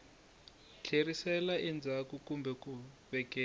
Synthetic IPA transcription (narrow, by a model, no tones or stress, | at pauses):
t͡ɬʰerisɛlaʔind͡zʱakukumbʱɛku | βɛkɛː